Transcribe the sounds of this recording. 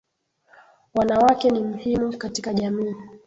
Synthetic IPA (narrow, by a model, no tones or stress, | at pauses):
wanawakɛnim̩himukatikaʄamiː